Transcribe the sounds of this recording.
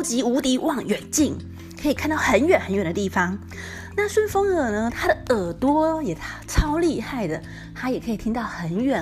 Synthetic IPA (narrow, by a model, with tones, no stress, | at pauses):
ʊt͡ɕi˧˥u˧˥t̪i˧˥wʔɑ˥˩ŋɥɛ˨˩nt͡ɕi˥˩ŋ | kʰɤ˧˥i˨˩kʰnt̪ɑ˥˩ʊxə˧˥nɥɛ˨˩nxə˧˥nɥɛ˨˩nd̪ə˧t̪i˥˩fɑ˩ŋ | na˥˩ʂwə˥˩nfɤ˥ŋɤ˨˩nə˧t̪ʰa˥ɾə˨˩ə˨˩t̪wɔ˥jɛ˨˩t̪ʰʈ͡ʂʰɑ˥ʊli˥˧xa˥˩ɪd̪ə˩ | t̪ʰa˥jɛ˨˩kʰɤ˧˥i˨˩t̪ʰi˥ŋt̪ɑ˥˩ʊxə˧˥nɥɛ˨˩